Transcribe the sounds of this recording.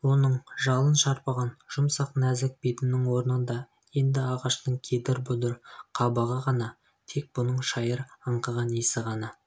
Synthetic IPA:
wo̞nəɴʒɑlˠənʃɑɾpɑʁɑnʒ̥ʊmsɑqnæzɪk̚bet̪ɪnɪŋwo̞ɾnənd̪ɑ | je̞nd̪ɪɑʁɑʃt̪əɴkʲʰed̪ɪɾbʊd̪əɾqʰɑbɑʁəʁɑnɑ | t̪ʰe̞k̚b̥ʊnəɴʃɑjəɾɑɴqəʁɑnesɪʁɑnɑ

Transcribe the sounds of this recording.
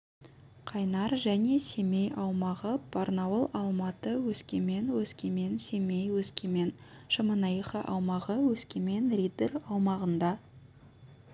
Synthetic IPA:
qʰɑjnɑɾʒæne̞se̞me̞jɑwmɑʁəpʰɑɾnɑwəlˠɑlˠmɑt̪əwɵskʲeme̞nwɵskʲeme̞nse̞mejwɵskʲeme̞n | ʃəmənɑjχəʔɑwmɑʁəwɵskʲeme̞nrʲid̪erɑwmɑʁənd̪ɑ

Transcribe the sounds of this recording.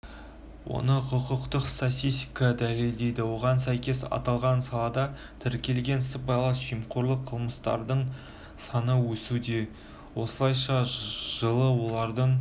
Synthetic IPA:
wo̞̰nəqʰʊqəqt̪əqst̪at̪ʲijst̪ʲikɑd̪æle̞ld̪e̞jd̪ɪwo̞ʁɑnsæjkʲe̞sɑ̰t̪ɑlˠʁɑnsɑlˠɑd̪ɑ | t̪ʰɪɾkʲe̞lɡʲe̞nsəp̚bɑjlˠɑsʒ̥ijmqʰoɾlˠəqʰəlˠməst̪ɑ̰ɾd̪əɴ | sɑnəwɵsud̪e̞ | wo̞səlˠɑjʃɑʒ̥əlˠəwo̞lˠɑɾd̪əɴ

